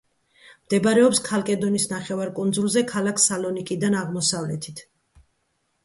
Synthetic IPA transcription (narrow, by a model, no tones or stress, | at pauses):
md̪̥ɛbaɾɛɔpskʰalˠkʼɛd̪ɔnisnaχɛvaɾkʼund̪zulˠzɛkʰalakʰsalɔnikʼid̪anaʁmɔsavlɛt̪ʰit̪ʰ